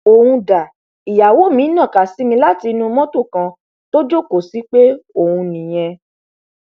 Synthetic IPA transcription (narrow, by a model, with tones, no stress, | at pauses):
o˨hũ˧da˨ | i˨ja˨wo˨˦mĩ˨˦nã˦˨ka˨si˨˦mĩ˧la˦ti˧nũ˧mɔ̃˦to˦˨kã˧ | to˦d͡ʒo˦˨ko˨si˨˦k͡pe˦o˦˨hũ˧nĩ˨j̃ɛ̃˧